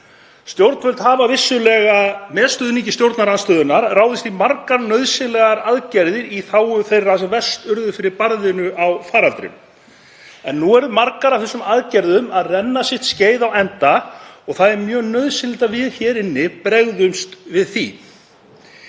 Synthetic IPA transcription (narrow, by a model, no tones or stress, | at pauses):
st̪jowɾt̪n̥fœlt̪haːvavɪsːʏlɛːɣamɛːðst̪œːðnicɪst̪jowɾt̪naɾanst̪œːðʏnːaɾraːwðɪst̪imarkaɾnœɥðsɪnlɛɣaɾaðcɛɾðɪɾiθaːwʏθejrːasɛvɛst̪ʏɾðʏfɪɾɪɾpaɾðɪnʏʔawfaːɾalt̪ɾɪ̰m | ɛnːuɛɾðmaɾkaɾawfθɛsːʏmaðcɛɾðʏmaðrɛnːasɪht̪sceːjðawɛnt̪aɔɣθaðɛɾmjœːɣnœɥðsɪnlɪt̪avɪðçɛːɾɪnːɪpɾɛɣðʏmst̪vɪðθi